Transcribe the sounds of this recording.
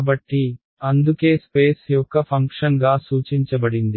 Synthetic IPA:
bɐʈːi | ɐnd̪uke̞ːspeːsjɔkːɐpʰɐŋkʂɐnɡaːsuːt͡ʃiɲt͡ʃɐbɐɽind̪i

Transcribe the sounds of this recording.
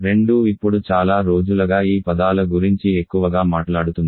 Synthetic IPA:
ɾe̞ɳɖuipːuɽut͡ʃaːlaːɾo̞ːd͡ʒulɐɡaːiːpɐd̪aːlɐɡuɾiɲt͡ʃie̞kːuʋɐɡaːmaːʈlaːɽut̪und̪i

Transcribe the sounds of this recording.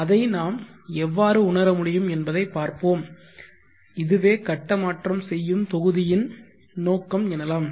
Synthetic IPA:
ɐðɐɪnaːmɛʋːaːɾɯʊɳɐɾɐmʊɽɪjɯmɛnbɐðɐɪpːaːɾpoːm | ɪðɯʋeːkɐʈːɐmaːʈrɐmsɛjːɯmt̪ɔɣɯðɪjɪn | noːkːɐmɛnɐlaːm

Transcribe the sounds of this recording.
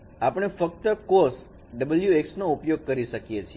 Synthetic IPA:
apɳ̃efək̚t̪əkoɾs | ɖəbəljueksnoupjoɡ̚kəɾiʃəkjet͡ʃʰi

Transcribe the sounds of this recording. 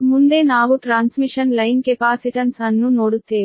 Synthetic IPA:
mund̪e̞ːnaːʋuʈɾaːnsmiʂɐnlɐjnkepaːsiʈɐnsɐnːunoːɽut̪eː

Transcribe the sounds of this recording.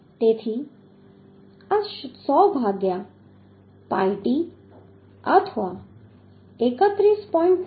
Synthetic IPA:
t̪et̪ʰi | aʃsɔbʱaɡja | paiʈi | ət̪ʰʋa | ekət̪ɾispɔĩɳʈ

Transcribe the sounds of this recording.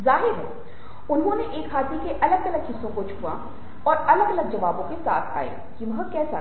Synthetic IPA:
zaːɦɪɾɦɛ̰ | ʊnɦõneʔeːkʰːaːt̪ikeʔɐləɡɐləɡɦɪsːõkot͡ʃʰʊ̥kuʋa̰ | ɔːɾɐləɡɐləɡ̚d͡ʒɐʋaːbõkesa̰ːt̪ʰa̰ːḛ̃ | kimɦəkɛːsa

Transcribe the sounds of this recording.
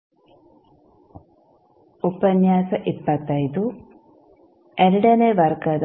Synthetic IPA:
upɐnjaːsɐʔipːɐt̪ːɐjd̪u | eɾiɖɐneʋɐrkɐd̪

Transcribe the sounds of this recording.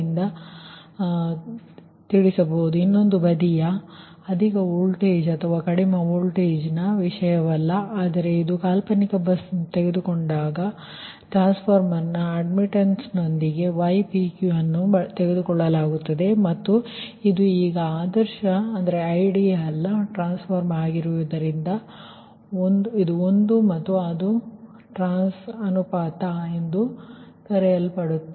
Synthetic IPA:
ind̪ɐ | t̪iɽisɐboud̪uinːo̞nd̪ubɐd̪ijɐ | ɐd̪ʱikɐuːlʈeːd͡ʒɐt̪ʰɐʋaːkɐɽimɐuːlʈeːd͡ʒnɐʋiʂɐjɐʋɐlːɐʔaːd̪ɐɾe̞id̪ukaːlpɐnikɐbɐst̪eɡed̪ukoɳɖaːɡɐ | ʈɾaːnspʰoːɾmɐnːɐɐɖmiʈɐnsno̞nd̪iɡe̞ʋɐjpikjuɐnːut̪eɡed̪ukɔɭːɐlaːɡut̪ːɐd̪e̞mɐt̪ːu | id̪uiːɡɐaːd̪ɐɾʃɐːnd̪ɐɾeɐjɖijɐɛlːɐʈɾaːnspʰɐɾmaːɡiɾuʋɐd̪ɐɾind̪ɐ | ond̪uid̪uond̪umɐt̪ːuɐd̪u | ʈɾaːnsɐnupaːt̪ɐend̪ut̪ɐɾɛjɐlpɐɽut̪ːu

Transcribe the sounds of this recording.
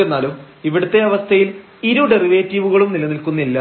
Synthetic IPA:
enːaːlum | iʋiɽut̪ːe̞ɐʋɐst̪ʰɐjil | iɾuɽeriʋeːtːiʋuɣɐɭumnilɐnilkunːilːɐ

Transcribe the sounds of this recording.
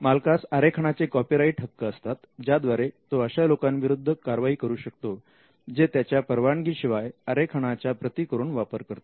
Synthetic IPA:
malkasaɾekʰəɽ̃at͡sekɔpiɾaiːʈʰəkːəəst̪at̪d͡ʑjad̪ʋaɾet̪oəɕalokãnʋiɾud̪ʱːəkaɾʋaɦiːkəɾuːɕək̚t̪o | d͡zet̪jat͡ɕjapəɾʋaɳɡiːɕiʋajaɾekʰəɽ̃at͡ɕjapɾət̪iːkəɾuːɳʋapəɾkəɾt̪o̥

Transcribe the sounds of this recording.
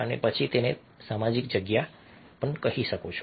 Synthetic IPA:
ənḛpət͡ʃʰit̪ene | samad͡ʒik̚d͡ʒəɡja | pəɳkəɦiʃəkot͡ʃʰo

